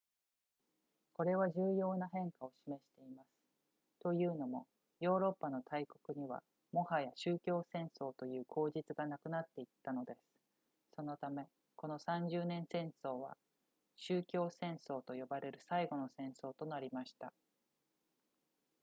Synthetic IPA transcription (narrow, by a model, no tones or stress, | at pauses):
ko̞ɾe̞βaʑɨːjo̞ːnaɦẽ̞ŋkao̞ɕime̞ɕi̥t̪e̞imasɨ̥ | t̪o̞jɯ̟ːno̞mo̞̰ | jo̞ːɾo̞pːano̞t̪ʰaiko̞kɯ̟ɲ̟iβa̰ | mo̞hajaɕɨːkʲo̞ːsẽ̞ɰ̃so̞ːt̪o̞jɯ̟ːkʰo̞ːʑit͡sɨɡanakɯ̟nat̪ːe̞it̪ːano̞d̪e̞sɨ̥ | so̞no̞t̪ame̞ | ko̞no̞sãɲ̟d͡ʑɨːnẽ̞ɰ̃sẽ̞ɰ̃so̞ːβa̰ | ɕɨːkʲo̞ːsẽ̞ɰ̃so̞ːt̪o̞jo̞baɾe̞ɾɯ̟saiɡo̞no̞sẽ̞ɰ̃so̞ːt̪o̞naɾʲimaɕi̥t̪a